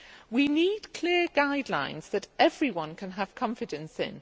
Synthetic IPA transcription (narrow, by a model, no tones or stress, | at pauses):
winiːdkʰl̥ɪəɡaɪdˡlã̰ɪ̃nz̥ðətɛvɹiwʌ̃nkʰə̃nəv̥kʰɒ̃ɱfɪdə̃nsɪ̰̃n